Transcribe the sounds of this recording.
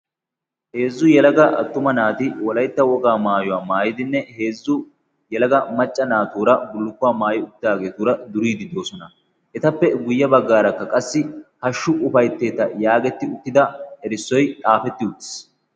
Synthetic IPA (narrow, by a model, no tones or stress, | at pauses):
he̞ːzːʊjɛlɐɡɐʔɐ̰t̪ːʊmɐnaːt̪ɪwɔlɐjt̪ːɐwɔɡaːmaːjɔwaːmaːjɪd̪ɪnːɛhe̞ːzːʊ | jɛlɐɡɐmɐt͡ʃʼːɐnaːt̪uːɾɐbʊlːʊkːʊwaːmaːjɪʊt̪ːaːɡe̞ːt̪uːɾɐd̪ʊɾiːd̪ɪd̪o̞ːsɔnɐ | ʔɛt̪ɐpːɛɡʊjːɐbɐɡːaːɾɐkːɐkʼɐsːɪhɐʃːʊʔʊfɐjt̪ːe̞ːt̪ːɐjaːɡɛt̪ːɪʊt̪ːɪd̪ɐhɛɾɪsːɔjt̪ʼaːfɛt̪ːɪʊt̪ːɪ̥s